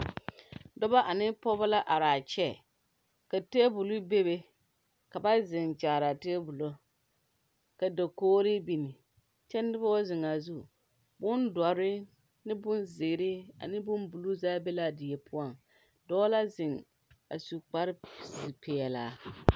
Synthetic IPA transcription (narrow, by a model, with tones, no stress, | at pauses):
dɔ˦ba˦ʔa˨nɪ˦pɔ˦ba˦la˦ʔa˨ɾaː˨t͡ʃɛ˦ | ka˨te˦bu˨lʊ˦be˦be˦ | ka˨ba˦zɪ˨ŋt͡ʃaː˨ɾa˨te˦bu˨lo˦ | ka˨da˨koː˦ɾɪ˦bi˨nɪ˨ | t͡ʃɛ˦n˦dɪ˦ba˦zɪ˨ŋa˨zu˦ | bʊ˦nda˨ɾɪ˦ | nɪ˦bʊ˦nzɪ˨ɡɾɪ˦a̰˨nɪ˦bʊ˦nbu˨lu˦zaː˦be˦la˦dɪ˨jɛ˨pʰʊ˦a˨ŋ | dɔː˦la˦zɪ˨ŋ | a˨su˨k͡pa˦ɾɪ˦si˨pʰɛ˨ɛ˨laː˨